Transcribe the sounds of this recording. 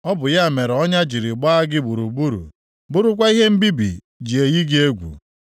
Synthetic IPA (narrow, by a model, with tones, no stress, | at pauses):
ɔ˦bʊ˨ja˦a˨me˨ɾɔ˦ɲa˦d͡ʒi˨ɾi˨ɡ͡ba˦a˦ɡɪ˦bu˨ɾu˨bu˦ɾṵ˨ | bʊ˦ɾʊ˦kʷa˦i˦ɦe˦m̩˦bi˦bḭ˨ | d͡ʒi˨e˨ji˦ɡɪ˦e˦ɡʷṵ˨